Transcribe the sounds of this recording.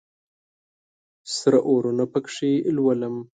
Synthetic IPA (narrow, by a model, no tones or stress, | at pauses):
sɾaʔoɾunapəkʂilwaləm